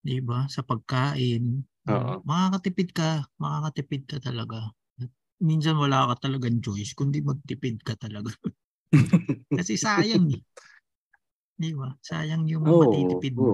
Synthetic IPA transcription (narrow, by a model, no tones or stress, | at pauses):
d̪ɪbasɐpɐɡ̚kaːʔɪn | o̰mɐkaːkɐt̪ɪpɪd̪̚kɐmɐkaːkɐt̪ɪpɪd̪̚kɐt̪ɐlɐɡa | ɐt̪̚ | minsɐnwɐlaːkɐt̪ɐlɐɡaŋt͡ʃojskʊnd̪imɐɡ̚t̪ɪpɪd̪̚kɐt̪ɐlɐɡa | kɐsɛsaːjɐŋ | d̪ibasa̰ːjɐŋjʊŋmɐt̪iːt̪ɪpɪd̪̚